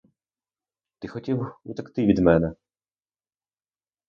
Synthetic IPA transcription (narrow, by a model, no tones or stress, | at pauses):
t̪ɪxɔtʲiwut̪ɐkt̪ɪʋʲid̪mɛnɛ